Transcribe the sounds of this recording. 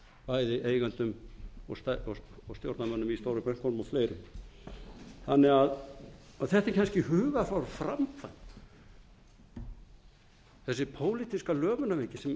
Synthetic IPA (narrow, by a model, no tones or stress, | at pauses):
paːjðɪʔeːjɣant̪ʏmɔsaɔɔst̪jowɾt̪namœnːʏmist̪owɾʏpɾɛn̥kʰɔlmɔfleːjɾʏm | θanːɛɣaðaθɛht̪ɪɾcʰanscɪhʏːvafawɾfɾamfajn | θɛsːɪpʰoːwlit̪iskalœːvʏnːavecɪsɛm